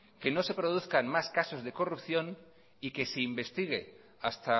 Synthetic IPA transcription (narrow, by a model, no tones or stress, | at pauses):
ke̞no̞se̞pɾo̞ðuθkanmaskaso̞zðe̞ko̞rupθjo̞n | ike̞se̞imbe̞st̪iɣ̞e̞ | ast̪a